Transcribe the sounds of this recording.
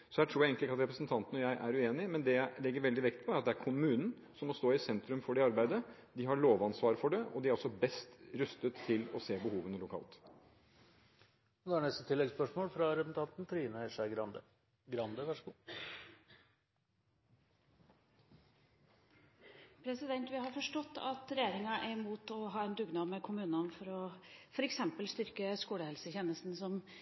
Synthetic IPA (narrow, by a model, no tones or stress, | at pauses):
sɔhæːʈ̪ʰɾuːjæɪeːŋk̪ɪkɑt̪ɾɛpɾəsənt̪ʰɑnt̪ən̩ɔjæɪʔæɾʉeːnɪmɛnd̪ɛjæɪlɛɡːəɾʋɛld̪ɪʋɛkt̪̚pʰɔæɾɑt̪d̪ɛæɾkʰʊmʉːnn̩ | sɔmɔst̪oːɪsɛnt̪ɾʉmfɔɖɛɑɾbæɪd̪əd̪ɪɦɑɭoːʋɑnsʋɑːɾfɔɖɛɔ̰d̪ɪæɾɔsɔbɛst̪ɾʉst̪ət̪ʰːɪlɔseːbəhuːʋənəlʊkʰɑ̰ːlt̪ | ɔd̪hæːɳɛst̪ət̪ʰɪlːɛɡspœʂmoːlfɾɑɾɛpn̩t̪ʰɑnt̪n̩t̪ʰɾiːnəɛʂæɪɡɾɑnd̪ə | ɡɾɑnd̪əʋæʂəɡuː | pʰɾɛsɪd̪ɛnt̪ʋɪhɑɾfɔʂʈɔt̪ːɑ̰t̪ɾɛjeːɾɪŋɑʔæɾmuːt̪ɔɦɑːɛnd̪ʉɡnɑːmɛkʰʊmʉːnɑnfɔɾɔfɔɾɛksɛmpəlst̪ʏɾkəskuːləhɛlsəçeːnəst̪n̩sɔm